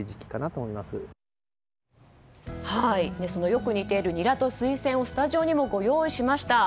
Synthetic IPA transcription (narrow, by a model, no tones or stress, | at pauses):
iʑi̥kʲi̥kanat̪oːmoimasɨ | haine̞sono̞jo̞kɯ̟ɲ̟it̪e̞ɾɯ̟ɲ̟iɾat̪o̞sɨisẽ̞ɰ̃o̞sɨ̥t̪aʑio̞ɲ̟imo̞ɡo̞jo̞ːiɕimaɕi̥t̪a